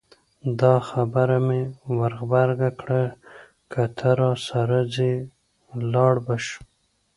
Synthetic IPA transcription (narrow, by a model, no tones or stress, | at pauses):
d̪ɑxabaɾamewaɾɣbaɾɡakɽa | kʰat̪ʰaɾɑsaɾad͡ze | lɑɽbaʃ